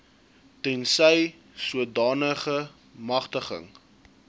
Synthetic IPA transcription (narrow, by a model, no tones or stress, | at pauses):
tɛnsəj | suədɑːnəχə | mɐχtəχə̰ŋ